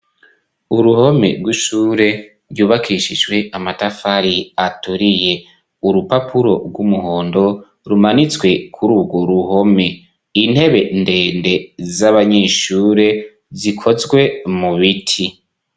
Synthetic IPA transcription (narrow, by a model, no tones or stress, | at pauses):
uɾuho̞me̞̰ɾɡwiʃuːɾe̞ | ɾjuːβakʰiʃid͡ʒwe̞amatafaɾiatuɾije̞ | uɾupapʰuɾo̞ɾɡwumuhoːndo̞ | ɾumanit͡swe̞kʰuɾuːbɡoɾuho̞me̞ | in̥he̞βe̞nde̞ːnde̞zaβaɲeːʃuːɾe̞ | zikʰo̞zɡwe̞muβitʰi